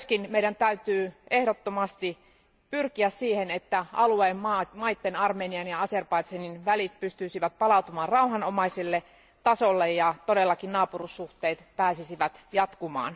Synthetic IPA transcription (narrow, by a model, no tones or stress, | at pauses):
skinmeidænt̪æyt̪yːehɾot̪ːomɑst̪i | pyrkiæssiːhenet̪ːæɑlueːmmɑːmɑit̪ːenɑrmeːniɑnjɑɑserpɑit̪seninʋælit̪̚pyst̪yisiʋæt̪̚pɑlɑut̪umɑːnrɑuɦɑnomɑisilːe | t̪ɑsolːejjɑt̪odelːɑkinnɑːpurusːuht̪eːt̪pæːsisiʋæt̪jɑt̪kumɑ̰ːn